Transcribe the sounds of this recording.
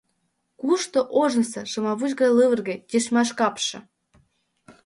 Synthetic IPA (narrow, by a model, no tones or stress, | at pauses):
kuʃt̪ŏʔoʒə̆nsɤ̆ʃɤ̆mɑβut͡ɕɣɑjlɨβərɣĕt̪ʲeʃmɑʃkɑpʃɤ̆